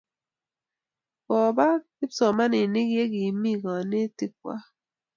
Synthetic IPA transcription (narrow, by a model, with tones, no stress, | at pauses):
kɔ˨ba˦ | ɪ˦psɔ˨ma˦nɪ˨ni˦kje˦ki˨mi˦kɔ˨ne˦ti˦k̚wa̰˦